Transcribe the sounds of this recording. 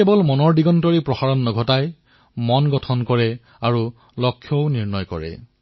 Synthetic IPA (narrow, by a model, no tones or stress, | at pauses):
ebɔlmɔnɔɹdiɡɔntɔɹipɹɔxaɹɔnːɔɡʱɔtaj | mɔnɡɔtʰɔnkɔɹɛ | aɹu | lɔkʰːjɔʊniɹnɔjkɔ̰ɹɛ̰